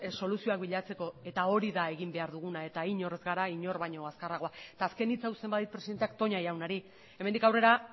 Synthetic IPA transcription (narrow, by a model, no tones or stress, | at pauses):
so̞lusio̞ak̚biʎat͡se̞ko̞e̞t̪ao̞ɾiðae̞ɣ̞imbe̞aɾðuɣ̞unae̞t̪aiɲo̞re̞zɣaɾaiɲo̞ɾβaɲo̞askaraɣo̞aet̪aːske̞nit͡sawse̞mbaðit̪̚pɾeiðent̪eak̚t̪o̞ɲajawnaɾi | e̞mend̪ikawre̞ɾa